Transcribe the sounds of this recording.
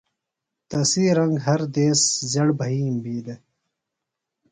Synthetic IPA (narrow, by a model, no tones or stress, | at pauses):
t̪ɐsiːɾɐ̃ŋɡɦɐɾd̪eːszɐɽbʱɐɦiːmbiːd̪e